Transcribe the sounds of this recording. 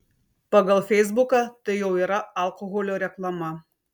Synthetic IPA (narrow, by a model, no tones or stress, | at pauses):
pɐɡɐlˠfʲɛɪzbʊkɑt̪ɐɪjɛʊiːɾɐɐlˠkoɣolʲoːɾʲɛklˠɐmɐ